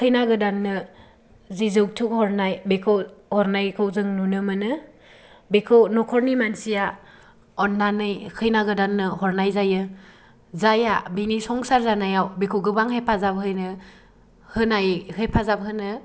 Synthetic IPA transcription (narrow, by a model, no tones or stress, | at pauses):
kʰɯjnaɡɯdanːɯ | zizɯwk̚tʰukhɔɾnajbekʰɯwhɔɾnajkʰɯwzɯŋnunɯmɯnɯ | bekʰɯwnɔkʰɔɾnimansija | ɔnːanɯjkʰɯjnaɡɯdanːɯhɔɾnajzajɯ | zajabinisɔŋsaɾzanajawbekʰɯwɡɯbaŋhepʰazap̚ɦɯjnɯ | hɯnajhepʰazap̚ɦɯnɯ